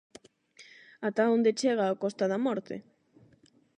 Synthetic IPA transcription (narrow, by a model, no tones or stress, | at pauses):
at̪aond̪et͡ʃeɣ̞aokost̪aðamɔɾt̪ḛ